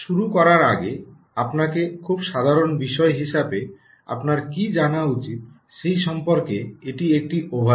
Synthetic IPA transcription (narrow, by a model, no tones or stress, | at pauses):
ʃuɾukɔɾaɾaɡe | apnakekʰubʃad̪ʱaɾonbiʃɔeɦiʃabe | a̰pnaɾkid͡ʑanaut͡ɕit̪ | ʃejʃɔmpoɾkeeʈiek̚ʈiʔobʱa